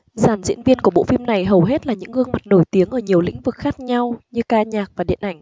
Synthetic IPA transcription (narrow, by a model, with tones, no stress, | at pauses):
zaː˧˩nzḭ˧˥ənvi˧ənku˧˩əɓo̰˧˨fi˧mna˨˩jɦə˨˩wɦe˦˥t̚laː˨˩ɲɨ̰˧˥ŋhɨ˧əŋma˨˩t̚no˧˩jt̪i˨˦əŋʔəː˧˩ɲi˨˩əwlḭ̈˧˥ŋ̟vɨ˨˩k̚xaː˦˥k̚ɲa˧wɲɨ˧kaː˧ɲaː˨˩k̚vaː˨˩ɗḭ˧˨ənʔa˧˩jŋ̟